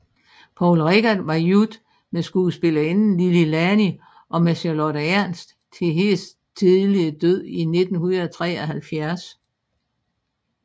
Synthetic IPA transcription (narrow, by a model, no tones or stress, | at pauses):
pʰɒʊlʁɛɡ̥ɐd̥ʋɑ̈jud̥ | mesɡ̥uːəsb̥e̝lɐe̝nn̩lililæni | ʔɒ̽mæseloɾ̥ɐæɐns | t͡sʰe̝ɦe̝ːs | t͡sʰiðˠliəd̥øð̰ˠine̝d̥n̩hunɐðˠt͡sʰʁɛ̰ːæhælfjæɐs